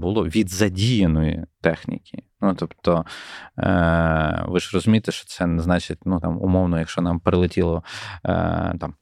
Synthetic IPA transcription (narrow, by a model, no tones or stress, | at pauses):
bʊlˠɔʋʲid̪zɐdʲijɐnɔjḭt̪ɛxnʲḭkʲinut̪ɔpt̪ɔ | ʋɪʒrɔzʊmʲit̪eʃt͡ʃɔ̥t̪sɛnɛznɑt͡ʃɪt̚ʲnut̪ɑmʊ̰mɔwnɔjɐkʃt͡ʃɔnɑmpɾelˠɪtʲilˠɔ̰ | t̪ɑm